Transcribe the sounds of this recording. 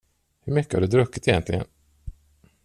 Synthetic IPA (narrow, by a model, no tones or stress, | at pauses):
hɵɾmʏkːəhaɖɵd̪ɾɵkːɪt̪ɛjɛnt̪lɪɡə̰n